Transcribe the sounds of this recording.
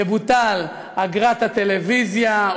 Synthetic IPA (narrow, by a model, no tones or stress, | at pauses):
ebut̪al | aɡʁat̪hat̪e̞levizja